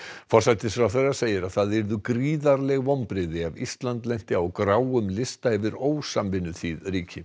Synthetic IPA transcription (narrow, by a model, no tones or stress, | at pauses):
fɔɾ̥sajt̪ɪsfɾawθɛrːaɾ̥seːjɪɾaðθaðɪɾðʏkɾiːðaɾlɛɣvɔmpɾɪðɪavḭst̪lant̪lɛjn̥t̪ɪawkɾaːwʏmlɪst̪aɪvɪɾoːwsamvɪnːʏθiðɾiːcʰɪ